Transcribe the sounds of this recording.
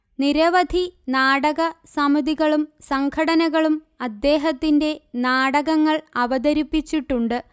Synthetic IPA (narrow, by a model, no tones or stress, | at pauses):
niɾɐʋɐd̪ʱinaːɽɐɣɐsɐmɐðiɣɐɭumsɐŋkʰɐɽɐnɐɣɐɭum | ɐd̪ːe̞ːɦɐt̪ːinde̞naːɽɐɣɐŋːɐɭɐʋɐd̪ɐɾipːit͡ɕːiʈːuɳɖɨ